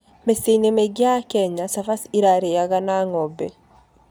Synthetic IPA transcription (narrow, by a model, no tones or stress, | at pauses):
mesenemeɡjakɛɲasafasiɾaɾejaɣanaŋɔbɛ